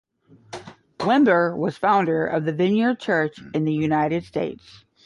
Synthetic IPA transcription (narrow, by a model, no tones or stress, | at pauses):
wɪ̃mbə˞wʌz̥fãʊ̃ndə˞ʔʌ̰vðɨvɪ̃njə˞d̚t͡ʃʰɜ˞t͡ʃɨ̃nðɨjʉnaɪɾɨd̥steɪts